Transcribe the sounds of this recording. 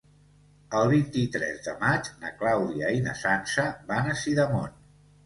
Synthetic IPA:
əlˠβint̪it̪ɾɛ̰zðə̰mad͡ʒnəklawðiəinə̰sansəβanəsiðəmo̰n

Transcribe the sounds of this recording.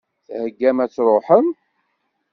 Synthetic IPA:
θhəɡːæmæt͡sːɾˤoħəm

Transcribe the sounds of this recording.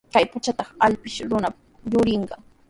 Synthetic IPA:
kajpat͡ʃat̪ɑχaʎpɪʃɾʊna | jʊɾɪɴɢɑ

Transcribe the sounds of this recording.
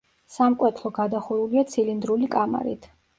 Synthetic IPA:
samkʼwɛt̪ʰlˠɔɡad̪aχuɾuliat̪sʰilind̪ɾulikʼama̰ɾḭt̪ʰ

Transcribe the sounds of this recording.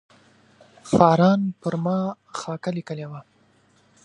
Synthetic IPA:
xɑɾɑnpəɾmɑ | xɑkalikəlewa

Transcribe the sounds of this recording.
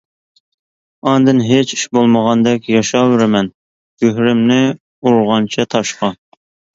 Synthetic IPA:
ɑnd̪ɨnɦet͡ʃʰi̥ʃbolˠməʁɑnd̪ɛkʲjɑʃɑːwɪɾɪmɛn | ɡ̥ʲøɦɾɪmnɪ | uɾʁɑnt͡ʃʰɛt̪ʰɑʃqɑ

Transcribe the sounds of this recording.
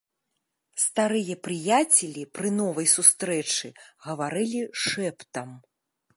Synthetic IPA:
st̪aɾɨjɐpɾɨjat͡sʲɛlʲipɾɨnɔvɐjsust̪ɾɛt͡ʂɨɣɐvaɾɨlʲiʂɛpt̪ɐm

